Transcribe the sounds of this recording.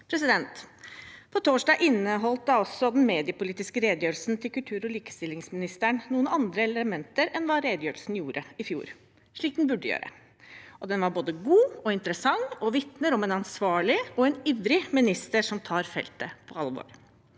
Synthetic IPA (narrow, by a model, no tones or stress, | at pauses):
pʰɾɛsɪd̪ɛnt̪ | pʰɔt̪ʰoːʂɖɑːɡʔɪnːəɦɔlt̪̚d̪ɑɔsːɔd̪ɛn̩meːd̪ɪəpʊliːt̪ɪskəɾeːd̪jøːɾl̩snt̪ʰɪlkʉlt̪ʰʉːɾɔliːkə̥st̪ɪlːɪŋsmɪnɪst̪əɳnuːənɑnd̪ɾəɛləmɛnt̪əɾɛnʋɑːɾeːd̪jøːɾəlsn̩juːɾʔəɪfjṵːɾ | ʂɭiːk̚d̪nbʉɖəjø̰ːɾə̰ | ʔɔd̪ɛnʋɑɾboːd̪əɡuːɔɪnt̪ɾəsɑŋːɔʋɪt̪nəɾɔmɛnɑnsʋɑːɭɪɔɛniʋɾɪmɪnɪst̪əʂɔmt̪ʰɑːɾfɛ̰lt̪əpʰɔɑlʋo̰ːɾ